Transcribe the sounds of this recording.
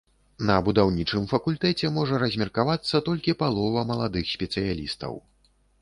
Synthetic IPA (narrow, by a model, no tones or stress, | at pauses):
nɐbud̪awnʲit͡ʂɨmfɐkulʲt̪ɛt͡sʲɛmɔʐɐɾɐzʲmʲɛrkavat̪sːɐt̪ɔlʲkʲipalˠɔvɐmɐlˠad̪ɨxsʲpʲɛt̪sɨjalʲist̪ɐ̰w